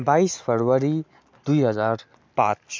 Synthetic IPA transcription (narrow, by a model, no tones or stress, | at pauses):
baispʰəɾwəɾi | d̪uiɦəzaːɾ | pã̰t͡ʃ